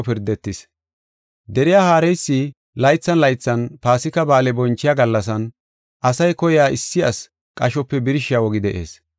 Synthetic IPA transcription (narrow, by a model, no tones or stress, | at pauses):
pɪɾd̪ɛt̪ːɪs | d̪ɛɾɪjaːhaːɾɛjsːi | lɐjt͡sːɐnlɐjt͡sːɐnpaːsɪkɐbaːlɛbɔnt͡ʃːɪjaːɡɐlːɐsɐn | ʔɐsɐjkɔjaːʔɪsːɪɐs | kʼɐʃɔpːɛbɪɾɪʃɪjawɔɡɪd̪ɛʔḛːs